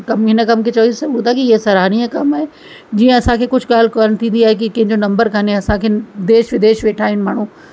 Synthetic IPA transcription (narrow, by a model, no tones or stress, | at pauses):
kɐmɪnəkɐmkʰet͡ɕɐisɐut̪akiesɐɾaːñiãkɐmaːɦe | d͡ʑiːə̃ɐsãkʰeːkʊd͡ʑʱɠaːl̤koːlnt̪ʰĩːn̆d̪iaːɦekikɐ̃ɦɪ̃ɲd͡ʑonɐ̃mbəɾkʰaneɐsãkʰeːd̪eːʃʋɪd̪eːʃʋeːʈʰaːɦɪnɪ̆maːɽɳ̤ũ